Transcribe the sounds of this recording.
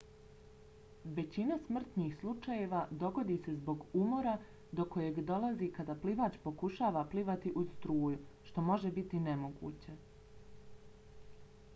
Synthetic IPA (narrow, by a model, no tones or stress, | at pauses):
ʋe̞t͡ɕinasmr̩t̪niːxslˠut͡ʃaje̞ʋad̪o̞ɡo̞d̪iːse̞zbo̞ɡumo̞ɾa | d̪o̞ko̞je̞ɡd̪o̞lˠazikad̪apliʋaːt͡ʃpo̞kuʃaːʋapliʋat̪iʔuz̥st̪ɾuːjuʃt̪o̞mo̞ʒebit̪ine̞mo̞ɡṵːt͡ɕe̞